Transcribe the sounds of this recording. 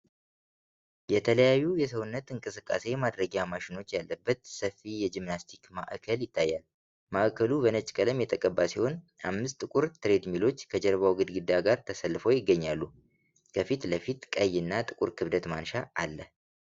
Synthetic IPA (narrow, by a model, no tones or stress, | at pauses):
jɛt̪ʰələjajːujɛsəwʊnːət̪ɨŋkʼɨsɨkʼːa̰se̞mad̪ɾəɡamaʃɪno̞t͡ʃːjalːəbːət̪səfijɛd͡ʒimnast̪ʰikma̰ʔkʰəljɪt̪ʰːajːal | maʔkʰəlubənət͡ʃʼkʼələmjɛt̪ʼəkʼəbːasiho̞n | ʔa̰mːɨst̪ʼɨkʷʼuɾt̪ʰɨɾe̞d̪milo̞t͡ʃːkʰəd͡ʒəɾβawɡɨd̪ɡɨd̪ːaɡaɾt̪ʰəsəlːɨfəwjɪɡːəɲːalːu | kʰəfit̪ləfit̪kʼəjːɨnːat̪ʼɨkʼuɾkʰɨβd̪ət̪manʃaːlːəh